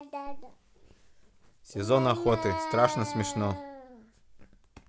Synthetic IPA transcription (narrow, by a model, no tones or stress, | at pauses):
sʲɪzonaxot̪ɨst̪ɾaʂnəsmʲɪʂno